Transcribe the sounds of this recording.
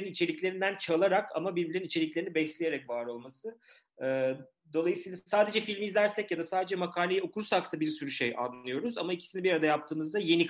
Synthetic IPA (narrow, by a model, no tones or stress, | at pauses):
ɾinit͡ʃʰe̞lʲicʲlʲe̞ɾind̪ænt͡ʃʰalˠaɾakʰa̰mabibilʲeinit͡ʃʰe̞lʲicleinibɛslʲeje̞ɾɛcvaːɾo̞lˠmasɯ | ɛː | d̪o̞lˠajɯsɯiːlˠasaːd̪e̞d͡ʒɛfilʲmizlʲæɾsɛcjad̪asaːd̪e̞d͡ʒɛmakʰaːlʲejɛo̞kuɾsakt̪ʰabiɾsyɾyʃeja̰nːɯjo̞ɾuzamaicʰi̥sinibiɾaɾad̪ajap̚t̪ʰɯːmɯzd̪aje̞nik